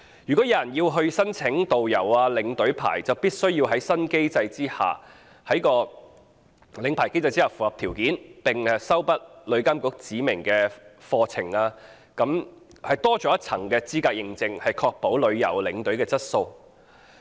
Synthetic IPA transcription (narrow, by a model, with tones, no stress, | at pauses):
jy˨˩kɔ˨˥ɐ˨jɐ˨˩njiː˧wɦɵ˧ɥsɐ˥nt͡sʰɪ˨˥ŋt̪o˨wjɐ˨˩waː˧lɪ˨˥ŋt̪ɵ˨˥ɥpʰa̰ː˨˩jt͡sɐ˨wpiː˥t̚sɵ˥ɥjiː˧wɦɐ˨˥jsɐ˥nke˥jt͡sɐ˧jt͡siː˥ha̰ː˨˩ | hɐ˨˥jkɔː˧ | lɪ˨˥ŋpʰaː˨˩jke˥jt͡sɐ˧jt͡siː˥haː˨˩wfuː˨hɐ˨p̚t̪ʰiː˨˩wkiː˨˥npɪ˨˩ŋ˨sɐ˥wpɐ˥t̚lɵ˨˧ɥkaː˥mkʊ˨˧˥k̚t͡siː˨˥mɪ˨˩ŋkɛː˧fɔː˧t͡sʰɪ̰˨˩ŋaː˧ | kɐ˨˥m | hɐ˨˩jt̪ɔː˥t͡ʃɔː˨˥jɐ˥t͡sʰɐ̰˨˩ŋkɛː˧t͡siː˥kaː˧k̚jɪ˨˧ŋt͡sɪ˧ŋhɐ˨jkʰɔː˧k̚po˨˥wlɵ˨˧ɥjɐ̰˨˩wlɪ˨˥ŋt̪ɵ˨˥ɥkɛː˧t͡sɐ˥t̚so˧w